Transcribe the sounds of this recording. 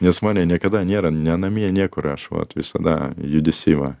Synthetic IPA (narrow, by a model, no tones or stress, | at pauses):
nʲɛsmɑːnʲɛnʲiɛkɐd̪ɐnʲeɛɾɐnʲɛnɐmʲinʲiɛkʊɾɐʃʋɐ̰t̪ʋʲɪsɐd̪ɐ̰jʊd̪ʲɪsʲɪʋɐ̰